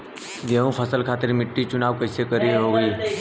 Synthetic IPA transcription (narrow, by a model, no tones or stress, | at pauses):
ɡeːɦũpʰəsəlkʰaːt̪ɪɾmɪʈːit͡ʃʊnaːʋkəɪsekəɾiɦoːɡiː